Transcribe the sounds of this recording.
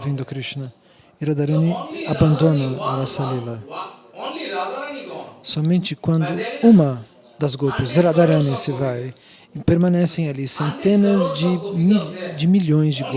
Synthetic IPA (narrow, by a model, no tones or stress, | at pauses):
vĩnd̪ʊkɾist͡ʃinɐ | iɾad̪aɾɐ̃nɪabɐ̃nd̪õnɐaɾasalila | sɔmẽnt͡ʃɪkwɐ̃nd̪ʊũmɐ | d̪ɐzɡopʊziɾad̪aɾɐ̃nɪsɪvaj | ɪpeɾmɐ̃nɛsẽj̃alisẽnt̪ẽnɐzd͡ʒɪmd͡ʒɪmilõj̃zd͡ʒɪɡ